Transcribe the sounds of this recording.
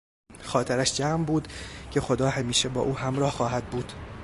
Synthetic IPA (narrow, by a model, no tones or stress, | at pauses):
xɒːt̪ʰeɾæʃd͡ʒæːmbuːd̪cʰe̞xo̞d̪ɒːhæmiːʃebɒ̰ːʔuːhæmɾɒːhxɒːɦæd̪̚buːd̪̥